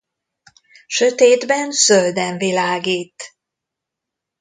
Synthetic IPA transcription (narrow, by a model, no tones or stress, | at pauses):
ʃøt̪eːd̪bɛnsøld̪ɛɱvilaːɡiːt̪